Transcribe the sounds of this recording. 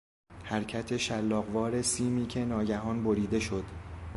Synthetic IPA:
hæɾcʰæt̪ʰe̞ʃælːɒːɣvɒːɾe̞siːmiːcʰe̞nɒːɟæɦɒːnboɾiːd̪e̞ʃo̞d̪̥

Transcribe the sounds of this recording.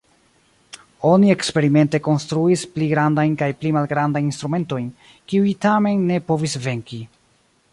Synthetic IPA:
o̞nie̞kspe̞ɾime̞nte̞ko̞nstɾuispliɡɾandajnkajplimalɡɾandajinst̪ɾume̞nto̞jn | kiuitame̞nːe̞po̞visve̞ŋki

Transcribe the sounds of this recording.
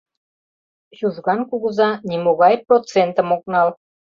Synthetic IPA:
juʒɣɑnkuɣəzɑnʲimoɣɑjprot͡sent̪əmok̚nɑl

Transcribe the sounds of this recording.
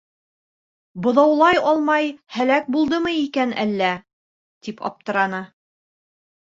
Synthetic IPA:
bŏðɑwlˠɑjɒlˠmɑjhælæk̚bulˠd̪ɤmɤikænæ̰lːæ | t̪ipɒ̰p̚t̪ɤ̆ɾɑnɤ

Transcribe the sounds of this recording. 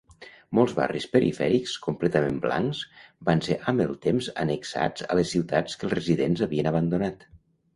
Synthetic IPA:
mɔlˠzβa̰rispəɾḭfɛ̰ɾikskumplɛt̪əmembla̰ŋzbanseʔəmbəlˠt̪emzə̰nəksa̰d͡zə̰ləsːiwt̪at͡skəlˠzrəziðenzəβiənəβ̞ənd̪unat̪

